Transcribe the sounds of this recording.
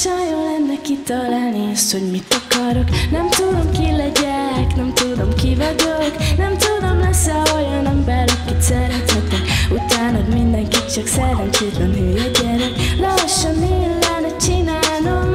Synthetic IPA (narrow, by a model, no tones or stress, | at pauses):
ʃɒjolɛnːɛkit̪ːɒlaːlniɒst̪ho̞ɟmit̪ːɒkɒɾo̞knɛmt̪ud̪o̞mkilɛɟɛknɛmt̪ud̪o̞mkivɒɟoknɛmt̪ud̪o̞mlɛsːɛojɒnɛmbɛɾlɛkːit̪sɛɾɛt̪ɛt̪ɛkut̪aːnɒd̪mind̪ɛŋkit̪t͡ʃɒksɛɾɛnt͡ʃeːt̪lɛnɦøːlɛɟɛɾɛklɒʃːɒnːiːlːɛnɛt͡ʃinaːnom